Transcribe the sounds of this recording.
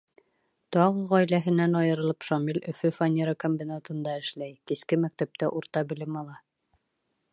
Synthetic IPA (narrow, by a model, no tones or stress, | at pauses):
t̪ɑʁɤʁɒjlæɦɘ̆nænɑjɤ̆ɾɤ̆lˠɤpʃomilʲʔɵ̆fɵfanʲeɾakomʲbʲinat̪ɤ̆nd̪ɑɘ̆ʃlæjkiskɘmæk̚t̪æp̚t̪æʔuɾt̪ɑbɘ̆lɘmɑlˠɑ